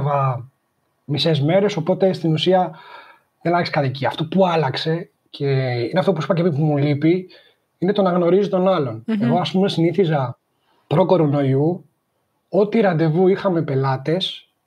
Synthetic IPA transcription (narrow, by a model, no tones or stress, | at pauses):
vɐ | misezme̞ɾe̞so̞po̞t̪e̞st̪inusiɐ | ðenɐlɐkse̥kɐt̪iciɐft̪o̞puɐlɐkse̞ | cʰe̞ineft̪o̞p̬usipɐceipumulipi | inet̪o̞nɐɣno̞ɾizit̪o̞nɐlo̞ne̞ɣo̞ɐspume̞siniθizɐ | pɾo̞ko̞ɾo̞no̞iu | o̞t̪iɾɐnd̪e̞vuixɐme̞pe̞lɐt̪e̞s